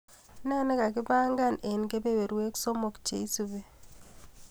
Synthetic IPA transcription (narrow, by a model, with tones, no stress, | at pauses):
na˦nɛ˦ka˨kɪ˦ba˦ŋɡa˦˨ne˨nke˦be˦we˨ɾwe˦kso˦mo˨kt͡ʃḛ˨i˦su˨be˦